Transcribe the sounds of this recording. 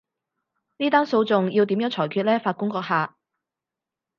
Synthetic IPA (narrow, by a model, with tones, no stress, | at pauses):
niː˥t̪aː˥nso˧wt͡sʊ˨ŋji˧wt̪iː˨˥mjœː˨˥ŋt͡ʃʰɔː˨˩jkʰyː˧t̚lɛː˥faː˧t̚kʊ˥ŋkɔː˧k̚hɦaː˨